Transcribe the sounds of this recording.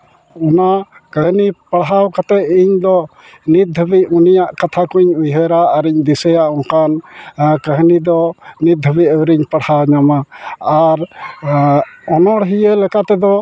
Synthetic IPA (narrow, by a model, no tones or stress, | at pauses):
ɔna | kəɦnipəɽɦawkat̪ɛiɲd̪ɔ | nit̪̚ːəbic̚unijaʔkat̪ʰakuɲujɦəɾaːɾiɲd̪isɛjaʔɔŋkankəɦnid̪ɔnit̪̚d̪ʱəbicəwɾiɲpəɽhawɲamaː | ɾ | ɔnɔɽɦijəlɛkat̪ɛd̪ɔ